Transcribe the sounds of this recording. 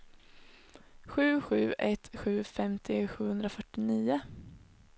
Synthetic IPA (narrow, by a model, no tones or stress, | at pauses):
ɧʉ̟ːɧʉ̟ːʔɛt̪ɧʉ̟ːfɛmt̪ʰɪɧʉ̟ːhɵnd̪ɾafœʈːɪniːʊ